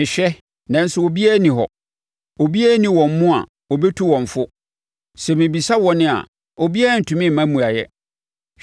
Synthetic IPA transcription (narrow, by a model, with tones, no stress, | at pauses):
ɪ̃˨ɕᶣɛ˦ | nã˨˦n̩˦sʊ˦wo˨bi˦a˦nĩ˨ɦɔ̰˨ | o˨bi˦æ˦nĩ˨wɔ̃˨m˦mũ˦a̰˨ | wɔ˨bɛ˦tʰu˦wɔ̃˨ɱ˨fʊ˦ | sɛ˨mĩ˨bi˨sa˦wɔ˨nɪ̃˦a̰˨ | o˨bi˦a˦˨n̩˨tʰũ˨mĩ˦˨mã˦mũ˨a˨jɛ̰˦